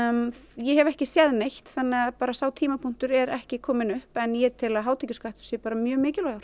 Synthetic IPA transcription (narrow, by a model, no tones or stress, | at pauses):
jɛɦɛvɛhcɪsjɛðnejht̪θanːɪaðpaːɾasaːwt̪ʰiːmapʰuŋ̥t̪ʏɾɛɾɛhcɪkʰɔːmɪnʏhpɛnjɛt̪ʰɪlaðɦaːwt̪ʰɛcʏskajht̪ʏ̥sjɛpaːɾamjœːmɪːcɪlaɾ̥